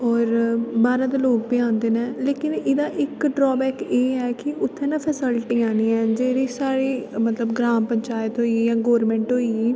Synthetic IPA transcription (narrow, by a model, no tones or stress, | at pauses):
ɔːɾbaːɾãːd̪eːloːk̚pɪãːnd̪eːnɛ̃ːleːkɪnɪd̪aːʔɪkɖɾɔːbɛːkeːɦɛːkɪʊt̪ʰːẽːnãːpʰɛːsɪlʈiːaːniːɛ̃ːd͡ʒeːɾiːsaːɾiːmət̪ləbɡɾaːmpəɲt͡ʃaːjət̪ɦoːiiːjãːɡɔːɾmɛ̃ːɳʈɦoːiːiː